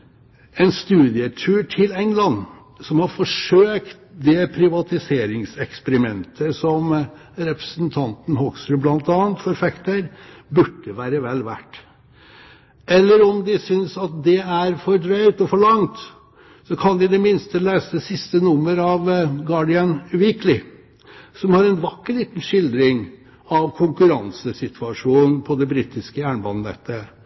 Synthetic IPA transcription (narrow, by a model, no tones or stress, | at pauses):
ɛnst̪ʉːd̪ɪət̪ʰʉːʈʰɪlɛŋlɑn | sɔmhɑɾfɔʂøːkt̪d̪ɛpʰɾɪʋɑt̪ɪseːɾɪŋsɛkspəɾɪmɛnt̪ʰəsɔm | ɾɛpɾəsnt̪ʰɑnt̪n̩hɔksɾʉblɑnt̪ɑːənt̪fɔɾfɛkt̪əɾbʉʈːəʋæːɾəʋɛlʋæ̰ʈː | ɛlːəɾɔmd̪ɪsʏnsɑt̪̚d̪ɛæɾfɔɾɖɾœʏt̪ɔfɔɭɑŋt̪ | sɔkʰɑnd̪ɪd̪ɛmɪnst̪əleːsəsɪst̪ənʊmːəɾɑʋɡɑɖɪɑnʉʋɪklɪ | sɔmhɑɾɛnʋɑkːəɭiːt̪n̩ʂɪld̪ɾɪŋ | ɑʋkʰʊŋkʉɾɑnsəsɪt̪ʰʋʉɑʂuːnn̩pʰɔd̪ɛbɾiːt̪ɪskəjæːɳbɑnnɛ̰ːt̪ːə